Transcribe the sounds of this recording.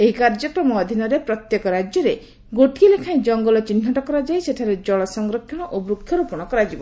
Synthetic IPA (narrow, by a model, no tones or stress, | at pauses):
eɦikaɾd͡ʒɔkɾɔmɔd̪ʱinɔɾepɾɔt̪jekɔɾad͡ʒjɔɾe | ɡoʈiilekʰaj̃d͡ʒɔŋɡɔlɔt͡ʃin̤ːɔʈɔkɔɾad͡ʒajseʈʰaɾed͡ʒɔɭɔsɔŋɡɾɔkʰːjɔɽ̃ɔʔobɾukʰːjɔɾupɔɽ̃ɔkɔɾad͡ʒibɔ